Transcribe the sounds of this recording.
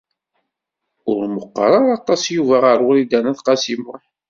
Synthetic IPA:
ʊɾməqːɾˤɑɾˤɑt̪ˤːɑsjuvæʁəɾwlid̪ænæθqɑsimʊħ

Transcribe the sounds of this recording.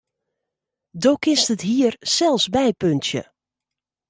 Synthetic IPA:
doːkɪstətɦiərsɛlˠfsbɛjpøntjə̰

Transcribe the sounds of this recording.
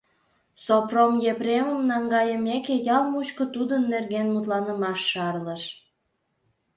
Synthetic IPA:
sopromjepɾeməmnɑŋɡɑjəmekejɑlmut͡ɕkŏt̪ud̪ənːerɣenmut̪lɑnəmɑʃːɑrləʃ

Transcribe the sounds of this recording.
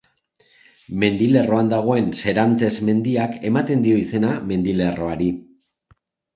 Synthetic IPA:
me̞nd̪ile̞ro̞and̪aɣ̞o̞e̞nse̞ɾant̪e̞zme̞nd̪iake̞mat̪e̞nd̪io̞ise̞name̞nd̪ile̞ro̞aɾi

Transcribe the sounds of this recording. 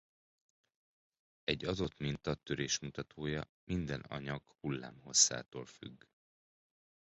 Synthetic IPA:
ɛɟːɒd̪o̞t̪mint̪ɒt̪ːøɾeːʃmut̪ɒt̪ʰoːjɒ | mind̪ɛnɒ̰ɲɒɡhulːaːmɦo̞sːa̰ːt̪oːlfy̰ɡː

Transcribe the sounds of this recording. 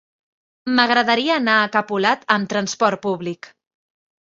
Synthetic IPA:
məɣɾəðəɾiəːnaːkəpulat̪əmt̪ɾənspɔɾt̪̚puβlik

